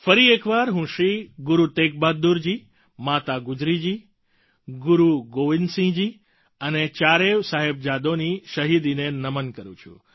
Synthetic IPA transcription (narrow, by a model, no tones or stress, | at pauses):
fəɾiekʋaɾɦũʃɾiɡʊɾut̪ek̚bad̪ːuɾd͡ʒi | mat̪aɡʊd͡ʒɾid͡ʒi | ɡʊɾuɡoʋinsĩd͡ʒi | ənet͡ʃaɾeʋsaɦeb̚d͡ʒad̪oniʃəɦid̪inenəmənkəɾṵ̃t͡ʃʰṵ̃